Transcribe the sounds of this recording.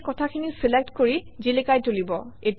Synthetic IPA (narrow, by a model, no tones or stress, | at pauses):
kɔtʰakʰinisilek̚tkoɹizilekajtolibɔet